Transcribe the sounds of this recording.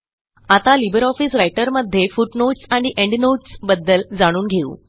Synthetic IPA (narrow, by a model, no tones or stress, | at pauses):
at̪alibəɾɔfiːsɾajʈəɾməd̪ʱːjefuʈnoʈsaɽ̃iʔeɳɖnoʈsbəd̪ːəld͡zaɽ̃uːnɡʱeṵː